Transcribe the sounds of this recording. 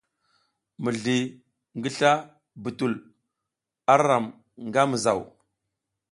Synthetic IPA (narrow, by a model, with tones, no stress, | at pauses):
mə˨ɮi˨ | ŋɡi˦ɬa˦ | bu˨tu˨l | a˦ɾa˨m | ŋɡa˦mə˨za˨w